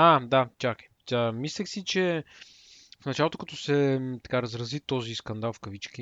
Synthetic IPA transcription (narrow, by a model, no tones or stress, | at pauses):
ad̪at͡ʃak | amislʲɛxsit͡ʃɛ | fnɐt͡ʃalˠot̪okɐt̪ɔsɛt̪ɐ̥kaɾɐzɾɐzit̪ɔziskɐnd̪alˠfkɐvit͡ʃki